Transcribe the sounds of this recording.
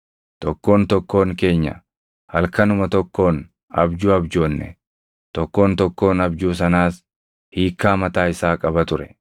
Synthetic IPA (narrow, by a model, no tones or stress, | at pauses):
t̪ɔkːo̞ːnt̪ɔkːo̞ːŋke̞ːɲːɐ̰ | hɐlkɐnʊmɐt̪ɔkːo̞ːn | ɐ̰bd͡ʒuːɐbd͡ʒoːnːɛ̰ | t̪ɔkːo̞ːnt̪ɔkːo̞ːnɐbd͡ʒuːs̬ɐnaːs | hiːkːaːmɐt̪aːɪsaːkʼɐbɐt̪ʊɾɛ